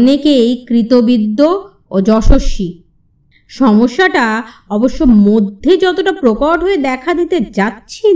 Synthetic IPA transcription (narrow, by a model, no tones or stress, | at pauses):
nekejkɾit̪obid̪ːo | od͡ʑɔʃoʃːi | ʃɔmoʃːaʈaɔboʃːomod̪ʱːed͡ʑɔt̪oʈapɾokaʈɦoed̪ɛkʰad̪it̪ed͡ʑatːɕʰi